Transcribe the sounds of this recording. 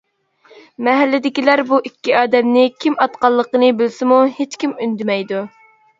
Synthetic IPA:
mɛɦælːɪd̪ɪkʲilæɾbuʔikʲːiɑːd̪ɛmnɪkʲʰimɑt̪qɑlˠːəqənɨbɪlsɪmuhet͡ʃkʲimynd̪ɪmɛjd̪u

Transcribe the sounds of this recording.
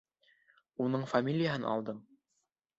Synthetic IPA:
unɤɴfamʲilʲɪjaɦɤnʔɑ̰lˠd̪ɤm

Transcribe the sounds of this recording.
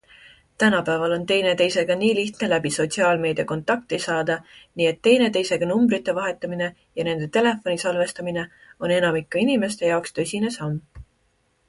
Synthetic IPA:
t̪ænɑpæːvɑlo̞nt̪e̞jne̞t̪e̞jse̞ɡ̥ɑniːliht̪ne̞læbiso̞t̪ʲsiɑːlme̞ːd̪̥ʲjɑko̞nt̪ːˑɑk̚t̪isɑːd̪̥ɑniːe̞t̪ːe̞jne̞t̪e̞jse̞ɡ̥ɑnumbɾit̪ːˑe̞vɑɦe̞t̪ːˑɑmine̞ | jɑne̞nd̪̥e̞t̪e̞le̞fo̞nisɑlve̞st̪ɑmine̞o̞ne̞nɑmikːɑinime̞st̪e̞jɑokst̪ø̞sʲine̞sɑm

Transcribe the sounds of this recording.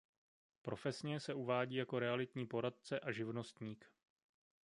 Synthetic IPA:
pɾo̞fɛsɲɛsɛuvaːɟiːjako̞ɾɛalɪt̪ɲiːpo̞ɾat̪̚t͡sɛʔaʒɪvno̞st̪ɲiːk

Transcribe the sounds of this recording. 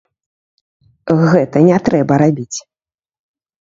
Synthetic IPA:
ɣɛt̪ɐnʲɛt̪ɾɛbɐɾabʲit͡sʲ

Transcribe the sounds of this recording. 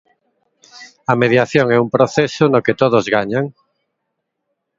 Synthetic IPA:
ɐmeðjaθjoŋɛumpɾoθɛsʊnoket̪oð̞ozɣaɲaŋ

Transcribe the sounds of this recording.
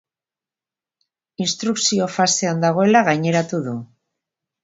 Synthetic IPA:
inst̪ɾuksio̞fase̞and̪aɣ̞o̞e̞laɣajɲe̞ɾat̪uðu

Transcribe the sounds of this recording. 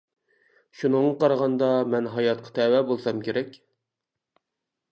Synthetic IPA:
ʃunəɴːɑqʰɑɾʁɑnd̪ɑmɛnɦɑjɑt̪̚qʰɑ̥t̪ʰɛwɛbolˠsɑmkʲeɾɛkʲ

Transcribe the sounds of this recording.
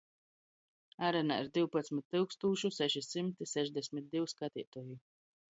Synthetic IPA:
aɾɛna̰iɾd̪iwpat̪smit̪ʲːilˠkst̪uːʃusɛʃisimt̪isɛʒd̪ɛsʲmit̪̚d̪iwskat̪iːt̪uːji

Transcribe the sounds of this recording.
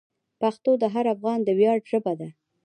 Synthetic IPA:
paxt̪od̪əɦaɾafɣɑnd̪əwjɑɖʒəbad̪a

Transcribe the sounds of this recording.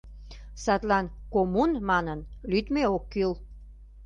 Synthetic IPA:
sɑt̪lɑnkomunmɑnənlyt̪meokːyl

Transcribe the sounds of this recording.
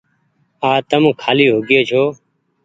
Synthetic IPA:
aːt̪əm̃ːkʰaːliːɦʊɡeːt͡ʃʰoː

